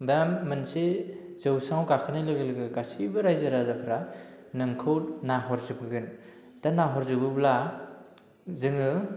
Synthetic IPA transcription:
bjamːɯnse | z̥ɯwsaŋwkakʰɯnɯlɯɡɯlɯɡɯkasibɯɾajzaɾazakʰɾa | nɯŋkʰɯwɾnaɦɔɾzɯb̚ɡɯn | tanaɦɔɾzɯbɯbla | zɯŋɯ

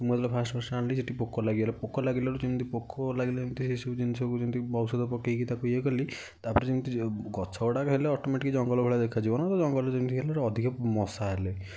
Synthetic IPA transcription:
sumued̪lɔpʰasʈbʱɔsanliseʈipokʰːɔlaɡielepokʰːɔlaɡilaɾud͡ʒimt̪ʰipokʰːɔlaɡiled͡ʒemit̪ʰisisud͡ʒinsʰɔkud͡ʒint̪ibɔbsɔd̪ɔpɔkːikit̪akujekɔli | t̪apɔɾed͡ʒint̪ʰiɡɔt͡ʃʰɔwɽakɔɦeleɔʈɔmeʈikid͡ʒɔŋɡɔlɔbʱeɭad̪ekʰad͡ʒibɔnat̪ɔd͡ʒɔŋɡɔlɔd͡ʒint̪ʰielaɾɔd̪ʱikɔmɔsaɦele

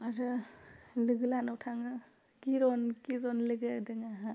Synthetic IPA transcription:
aɾɯ | lɯɡɯlanɔwtʰaŋɯ | kiɾɔnkiɾɔnlɯɡɯdɯŋaɦa

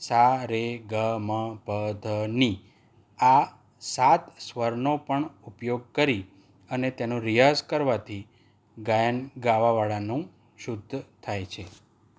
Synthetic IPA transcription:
saɾeɡəməpəd̪ʱəni | a | sat̪sʋəɾnopəɳupjoɡ̚kəɾi | ənet̪enõɾijazkəɾʋat̪ʰi | ɡajənɡaʋaʋaɭanũ | ʃud̪ʱːt̪ʰajt͡ʃʰe

